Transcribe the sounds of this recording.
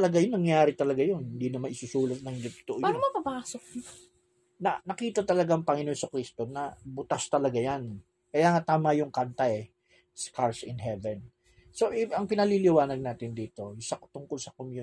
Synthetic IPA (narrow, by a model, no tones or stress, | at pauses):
ɐlɐɡajʊnnɐŋjaːɾɪt̪ɐlɐɡajonhɪnd̪inɐmanɪsusuːlɐt̪̚nɐŋd͡ʒot̪ʊ̥t̪oʔobmɐpɐpaːsok̚ | nɐnɐkiːt̪ɐt̪ɐlɐɡaʔɐŋpɐŋɪnonsɐkɾist̪o̞nɐbʊt̪ast̪ɐlɐɡajan | kɐjaːŋat̪aːmɐjʊŋkant̪ɐʔɛ | skaɹsɪnɦɛvɛn | so̞ʔɛɐŋpɪnɐlilɪwaːnɐɡ̚naːt̪ɪnd̪iːt̪o̞sɐkt̪ʊŋkolsɐkomju